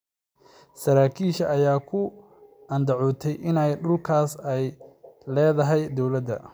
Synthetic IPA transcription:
sɐɾaːkʰiːʃɐʔːjaːkʰʊ | ɐnd̪ɐʕɔːt̪ʰɛjʔɪnɛjɖʊlkʰaːsɛjlɛːðɐɦɛjd̪ɔwlɐd̪ɐ̰

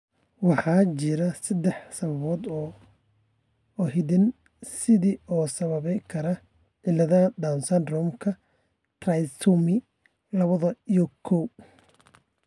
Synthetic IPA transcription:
wɑħɑːt͡ʃɪɾɐsɐd̪ɛħsɐβɐβɔːd̪ | ɔhɪðɪn | sɪðiːɔːsɐβɐβɛjkʰɐɾɐ | ʕɪlɐðɐd̪ansɐnrɔmkʰɐ | trɐjsumɪ | lɐβɐðɐijɔkʰɔw

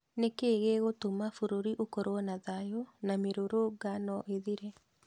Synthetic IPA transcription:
nekeɣeɣotomafoɾoɾiʔokoɾowɔnaðajonameɾoɾoɡanɔʔeðiɾɛ

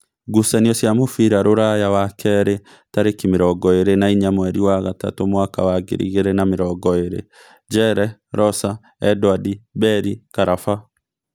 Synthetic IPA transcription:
ɡusɛniɔsjamofiɾaɾoɾajawakʰɛɾe | taɾekimeɾɔɡɔeɾenaiɲamwɛɾiwaɣata̰tomwaka̰waɡḛɾḭɣeɾenameɾɔɡɔeɾḛ | d͡ʒɛɾɛɾɔsa | ɛdwadibɛɾikaɾafa

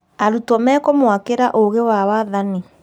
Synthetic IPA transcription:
aɾutwɔmɛːkɔmwakeɾaʔoɣewawaðani

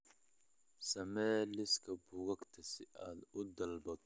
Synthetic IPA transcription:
sɐmɛːlɪskɐbʊɡɐkt̪ʰɐsɪʔad̪ʊd̪ɐlbɐk̚

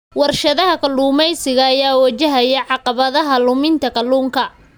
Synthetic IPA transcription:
wɑrʃɐðɐɦɐkʰɐlːuːmɛjsɪɣɐːjaːwɐt͡ʃɐɦɐijʕɑqɑβɐðɐɦɐlʊmɪnt̪ʰɐkʰɐluːŋkʰɐ

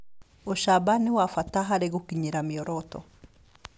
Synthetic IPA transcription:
ɔʃabaniwafataɦaɾeɣokiɲiɾamiɔɾɔtɔ̰

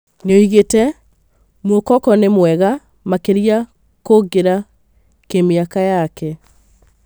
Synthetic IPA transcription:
neoiɣetɛ | mokɔkɔnemwɛɣa | makeɾia | koɡeɾa | kemeakajakɛ

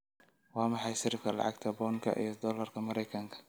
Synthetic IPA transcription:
wɑːmɑħɑjʃɪɾɪfkʰɐlɑ̰ʕɑ̰ɡt̪ʰɐbɔːŋkʰɐ̰ʔḭjɔd̪ɔːlɐrkʰɐmɐɾɛjkʰɐŋkʰɐ̥

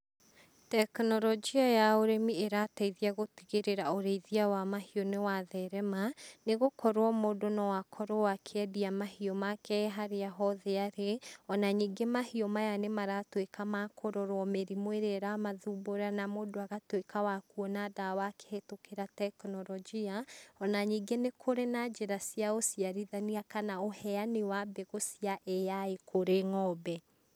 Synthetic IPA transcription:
tɛknɔɾɔd͡ʒiajaoɾemieɾataiðiaɣotiɣeɾeɾaoɾeiðiawamahiɔnewaðɛɾɛmaneɣokʰɔɾwɔmodonawakʰɔɾɔwakʰeɛdiamahiɔmakɛɦaɾeaɦɔðɛaɾeɔnaɲiːɡemahiɔmajanemaɾatwekamakʰoɾoɾɔmeɾimweɾeɾamaðuboɾanamodoaɣatwekawakuɔnadawakʰe̥hetokeɾatɛknɔɾɔd͡ʒiaɔnaɲiːɡenekʰoɾenad͡ʒeɾasiaosiaɾiðaniakanaohɛanewabɛɣosiaʔejaekʰoɾeŋɔbɛ

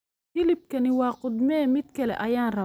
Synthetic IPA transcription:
ilip̚kɐniwaːqʊd̪mɛːmit̪̚kɛlɛ̰ʔɐjaːnrɐ

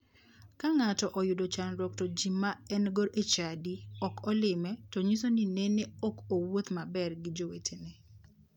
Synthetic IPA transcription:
kaŋatɔʔɔjʊdot͡ʃanɾɔk̚tɔd͡ʒimːaɛnɡoɾʔet͡ʃadiɔkʰɔlɪmɛtɔɲisonineneɔkowot̪mabɛrɡɪd͡ʒowetʰenɛ

